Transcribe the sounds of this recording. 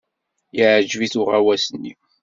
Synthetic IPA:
jəʕəd͡ʒviθʊʁawæsənːi

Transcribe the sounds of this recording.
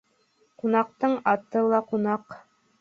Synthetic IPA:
qunɑq̚t̪ɤɴɑt̪ɤlˠɑqunɑq

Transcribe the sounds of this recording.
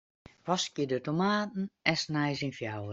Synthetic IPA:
ʋɔskjədətomaːtn̩ɛsnajzinfjawə

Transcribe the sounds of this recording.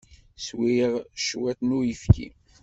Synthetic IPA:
swiʁʃwæt̪nujəfkḭ

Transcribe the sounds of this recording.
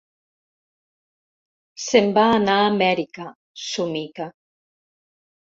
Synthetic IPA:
sembaːnaːmɛɾika | sumika

